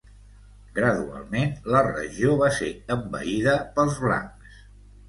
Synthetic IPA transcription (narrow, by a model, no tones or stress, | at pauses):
ɡɾəðua̰lˠmenlərə̰ʒioβ̞aseəmbə̰iðəpəlˠzβla̰ŋks